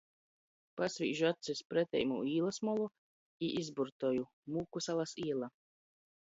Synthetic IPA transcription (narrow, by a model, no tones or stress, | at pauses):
pasvḭːʒuat̪sɛspɾɛt̪ʲɛ̰jmṵiːlˠasmɔlˠu | iʔizbuɾt̪ɔju | muːkusalˠasiɛlˠa